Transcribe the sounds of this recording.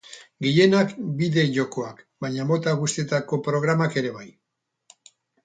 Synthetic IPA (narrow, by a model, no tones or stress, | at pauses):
ɡeje̞nakbiðe̞ʝo̞ko̞ak | baɲamo̞t̪aɣust̪et̪ako̞pɾo̞ɣ̞ɾamake̞ɾe̞βaj